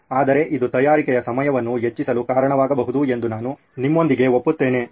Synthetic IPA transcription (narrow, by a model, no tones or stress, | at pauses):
aːd̪ɐɾe̞ʔid̪ut̪ɐjaːɾikɛjɐsɐmɐjɐʋɐnːuɦet͡ʃːisɐlukaːɾɐɳɐʋaːɡɐbɐɦud̪ue̞nd̪unaːnu | nimːo̞nd̪iɡe̞o̞pːut̪ːeːne̞